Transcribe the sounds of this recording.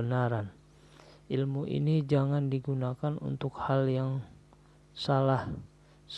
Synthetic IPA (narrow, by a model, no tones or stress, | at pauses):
ənaɾan | ʔilmuʔḭnid͡ʒaŋandiɡunakanṵnt̪ʊkhaljaŋ | salah | s